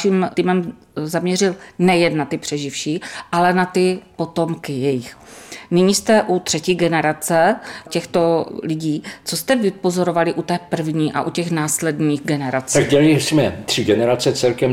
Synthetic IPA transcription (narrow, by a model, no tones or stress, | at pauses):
ʃimt̪iːmɛm | zamɲɛrɪlnɛjɛnːat̪ɪpr̥ɛʒɪfʃiːʔalɛnat̪ɪpo̞t̪o̞mkɪjɛjɪxnɪɲist̪ɛʔut̪r̥ɛciɡɛnɛɾat͡sɛcɛxt̪o̞lɪɟiːt͡sost̪ɛvɪpo̞zo̞ɾo̞valɪʔut̪ɛːpr̩vɲiːʔa̰ʔucɛxnaːslɛdɲiːɣɡɛnɛɾat͡st̪aɡ̚ɟɛlɪsmɛt̪r̝̥ɪɡɛnɛɾat͡sɛt͡sɛlkɛm